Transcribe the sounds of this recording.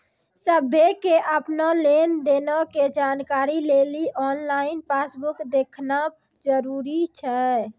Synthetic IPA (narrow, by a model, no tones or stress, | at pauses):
səbʱekeʔəpnalend̪enɔked͡ʒankaɾileliʔɔnlainpasbukd̪ekʰna | d͡ʒəɾuɾit͡ʃʰɛ